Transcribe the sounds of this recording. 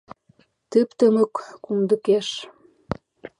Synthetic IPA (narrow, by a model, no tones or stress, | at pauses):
t̪əpt̪ə̆mə̆kːumd̪ə̆keʃ